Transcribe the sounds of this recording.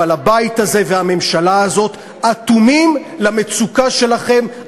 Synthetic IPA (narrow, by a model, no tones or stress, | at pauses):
alabait̪haze̞veame̞mʃalaːzo̞t̪ | at̪umimlame̞t͡sukaʃe̞laχe̞m